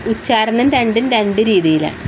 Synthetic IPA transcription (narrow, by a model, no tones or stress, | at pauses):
ut͡ɕːaːɾɐɳɐnɾeɳɖinɾeɳɖɨɾiːðijilḛ